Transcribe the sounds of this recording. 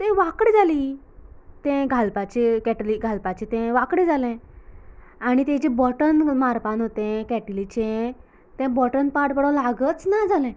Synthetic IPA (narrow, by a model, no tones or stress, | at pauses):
t̪ɛ̃ʋakɽed͡zʱaliː | t̪ɛ̃ɡʱalpat͡ɕekɛʈliɡʱalpat͡ɕẽt̪ɛ̃ʋakɽẽd͡zʱalɛ̃ | aɽ̃it̪ɛ̃t͡ɕẽbɔʈənmaɾpanɦot̪ɛ̃kɛʈlit͡ɕɛ̃ | t̪ɛ̃bɔʈənpaʈpəɽəlaɡət͡snad͡zʱalɛ̃